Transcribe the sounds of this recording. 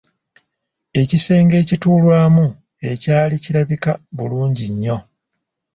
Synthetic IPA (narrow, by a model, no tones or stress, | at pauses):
e̞cise̞ːŋɡe̞ːcituːlwaːmu | e̞caːliciɾaβikaβuluːɲɟiɲːo̞